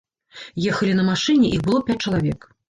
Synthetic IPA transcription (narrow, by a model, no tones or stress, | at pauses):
jɛxɐlʲinɐmaʂɨnʲɛʔixbɨlˠɔpʲat͡s̚ʲt͡ʂɐlˠavʲɛk